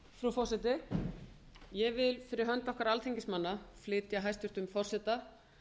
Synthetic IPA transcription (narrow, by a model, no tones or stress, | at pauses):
fɾufɔrsɛt̪ɪ | jɛvɪlfɪɾɪɾɦœnt̪ɔhkaɾalt̪ʰiɲcɪsmanːaflɪːt̪jaɦajst̪ʏɾ̥t̪ʏmfɔr̥sɛt̪a